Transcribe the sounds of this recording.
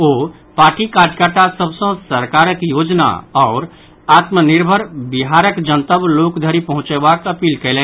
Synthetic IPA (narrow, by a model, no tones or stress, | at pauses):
oː | paːɾʈikaːɾjəkəɾʈ̪ʰasəbsə̃səɾkaːɾəkjoːd͡ʒna̰ɔːɾ | aːt̪mənɪɾbʱəɾbɪɦaɾəkd͡ʒə̃nt̪əblokd̪ʱəɾipɐɦʊ̃t͡ʃebakəpiːlkəɛlẽ